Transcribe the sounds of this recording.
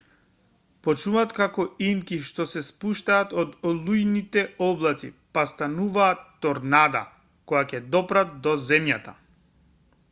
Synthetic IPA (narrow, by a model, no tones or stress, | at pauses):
pɔt͡ʃuvat̪kakɔimkiʃt̪ɔsɛspuʃt̪aːt̪ɔd̪ɔlˠujnit̪ɛɔblˠat̪sḭpast̪anuvaːt̪ːɔɾnad̪a̰ | kɔjacɛd̪ɔpɾat̪̚d̪ɔzɛmjat̪a